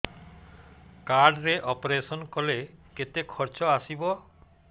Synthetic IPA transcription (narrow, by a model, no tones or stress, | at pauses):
kaɾɖɾeʔɔpoɾesɔnkoleket̪ekʰɔɾt͡ʃɔasibo